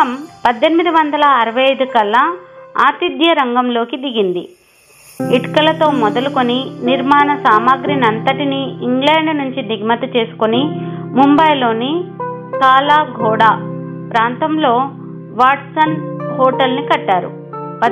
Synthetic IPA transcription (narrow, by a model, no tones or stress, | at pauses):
ɐmpɐd̪ːe̞nimid̪iʋɐnd̪ɐlɐːɾɐʋɐjɐjd̪ukɐlːɐaːt̪id̪jɐɾɐŋɡɐmlo̞ːkid̪iɡind̪ḭ | iʈkɐlɐt̪o̞ːmɔd̪ɐluko̞niniɾmaːnɐsaːmaːɡɾinɐnt̪ɐʈiniːŋɡlɛːɳɖnuɲt͡ʃiniɡmɐt̪ut͡ʃe̞ːsu̥konimumbɐjlo̞ːni | kaːlaːɡʱɔːɽaː | pɾaːnt̪ɐmlo̞ː | ʋaːʈsɐnhoːʈɐlnikɐʈːaːɾṵ | pɐ